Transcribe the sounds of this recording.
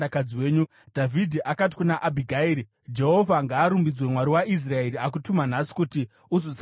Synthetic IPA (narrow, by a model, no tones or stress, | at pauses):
akaiweːɲu | dʱavʱidʱiʔakat̬i̥kunaʔabʱiɡʱaeːɾi | d͡ʒe̞ɦo̞vʱaŋɡaːɾumbid͡zwe̞mwaɾiwaʔis̬rae̞ɾiak̬utuman̤asi̥kuti | uzos